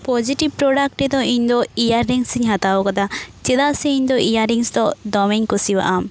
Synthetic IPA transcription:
pɔd͡ʒiʈib̚pɾɔɖak̚ʈːɛd̪ɔiɲd̪ɔijaɾːiŋsiɲɦat̪abɔkat̪at͡ʃɛd̪aʔsɛiɲd̪ɔʔijaɾiŋsd̪ɔd̪ɔmɛɲkusiba̰ʔam

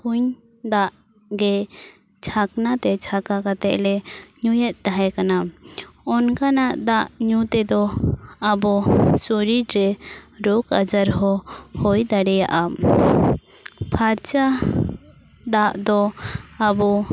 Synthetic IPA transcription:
kuɲ | d̪aʔ | ɡɛ | t͡ʃʰaknat̪ɛt͡ʃʰakakat̪ɛʔlɛɲujɛt̪̚ˀt̪aɦɛkana | ɔnkanaʔd̪aʔɲut̪ɛd̪ɔabɔsoɾiɾɾɛɾokad͡ʒaɾɦɔhojd̪aɽɛja̰ʔa | pʰaɾt͡ʃa | d̪aʔd̪ɔː | bɔ

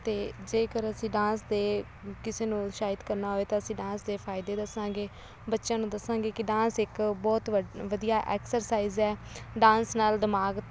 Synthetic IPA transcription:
t̪eːd͡ʒeːkəɾəsĩːɖãːnsd̪eː | kɪseːnũːʃaːɪd̪kəɾnaːɦoːeːt̪ãːəsĩːɖãːnsd̪eːpʰaːɪd̪eːd̪əsãːɡeː | bətːʃãːnũːd̪əsãːɡeːkɪɖãːnsɪkbɔːt̪əʋəd̪ijaːʔɛːksəɾsaːizɛːɖãːnsnaːld̪ɪmaːɡ

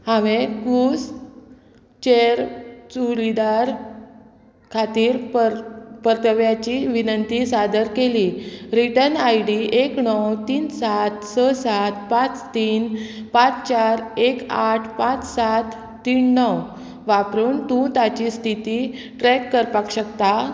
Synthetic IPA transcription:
haʋeɡus | t͡ɕeɾt͡suɾid̪aɾ | kʰat̪iːɾppəɾt̪əʋjat͡ɕiʋinənt̪isad̪əɾkeliɾiʈənajɽiekɳɔwt̪iːnsat̪səsat̪̚pãt͡st̪iːnpãt͡st͡ɕaɾekaʈʰpãt͡ssat̪ː | iːɳːɔw | ʋapɾuːɳt̪ũt̪at͡ɕist̪ʰit̪i | ʈɾɛkːəɾpakɕəkt̪a

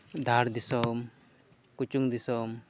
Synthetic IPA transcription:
d̪ʱaɾd̪isɔm | kut͡ʃuŋd̪isɔm

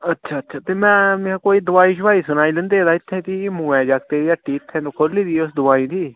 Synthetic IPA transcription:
ətːʃʰaːətːʃʰaːt̪eːmɛ̃ːmãːkoːiːd̪ʊaːiːʃʊʋaːiːsʊnaːiːlɛ̃nd̪eːd̪aːɪt̪ʰːẽːt̪iːmũːɛ̃ːd͡ʒaːkt̪eːiəʈːiːɪt̪ʰːɛ̃ːt̪ũːkʰoɾliːd̪iːʊsd̪ʊʋaːĩːd̪iː

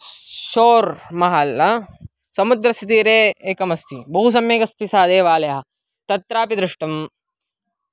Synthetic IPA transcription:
ʃoːɾmɐɦaːlːɐ | sɐmud̪ɾɐstt̪iːɾeːeːkɐmɐst̪ʰibɐɦus̬ɐmjeːɡɐst̪isaːd̪eːʋaːlɐjɐɦɐ | t̪ɐt̪ɾaːpid̪ɾɪʂʈɐm

